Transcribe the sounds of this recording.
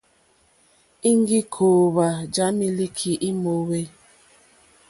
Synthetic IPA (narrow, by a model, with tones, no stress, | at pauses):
i˦ŋ˦ɡi˦kʰoː˨βa˨d͡ʒa˨˦mi˦li˦kʰi˨ʔi˦mo˨we˦